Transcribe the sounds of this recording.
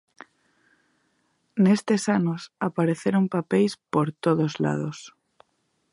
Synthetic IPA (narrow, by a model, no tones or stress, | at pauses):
nest̪esanosapaɾeθeɾompapejspoɾt̪oðozla̰ð̞os